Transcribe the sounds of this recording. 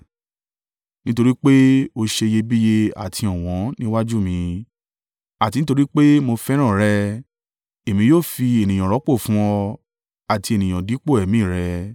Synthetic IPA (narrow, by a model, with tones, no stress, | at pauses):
nĩ˦to˧ɾi˦k͡pe˦o˧ʃe˧je˧bi˦je˧a̰˨tʰi˧ɔ̃˨w̃ɔ̃˨˦nĩ˦wa˦d͡ʒu˦mĩ˧ | a˨ti˧nĩ˦t̬o˧ɾi˦k͡pe˦mo˧fɛ˦ɾ̃ã˦˨ɾɛ˧ | e˨mĩ˧joː˦˨fi˧e˨nĩ˨j̃ã˨ɾɔ˨˦k͡po˦˨fũ˦ɔ˧ | a˨ti˧e˨nĩ˨j̃ã˨di˨˦k͡po˦˨ɛ˨mĩ˦˨ɾɛ˧